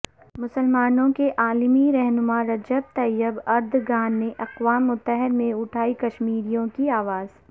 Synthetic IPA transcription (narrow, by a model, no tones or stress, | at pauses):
mʊsəlmaːnõkeʔaːlmiɾɛɦnʊmaɾɐd͡ʒəb̚t̪ɐjɪbɐɾd̪ʱɡaːnːeʔɐqʋaːmːʊt̪ːəɦɪd̪mẽʊʈʰaːikɐʃmiːɾijõkiaːʋaːz̥